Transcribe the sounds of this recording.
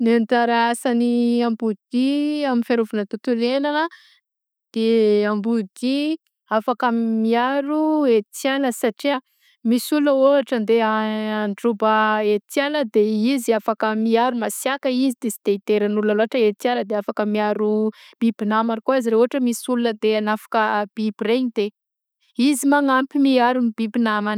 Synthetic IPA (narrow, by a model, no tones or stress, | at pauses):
niant̪aɾaasaniambud̪iaminfeɾuvunət̪ut̪ulenanə | d̪̥eambud̪i | afakamiaɾuet̪janəsaʈ͡ʂia | misulunəoɦaʈ͡ʂənd̪eaaɳɖ͡ʐubəet̪janəd̪eiziafakəmiaɾumasjakəizid̪esi̥d̪eit̪eɾanulunaloɦaʈ͡ʂəet̪ianəd̪eafakəmiaɾub̥ibinamaɾkuaiziɾeoɦaʈ͡ʂəmisulunəd̪eanafḁkəb̥ibireɲid̪̥e | izimaŋampimiaɾunibibinaman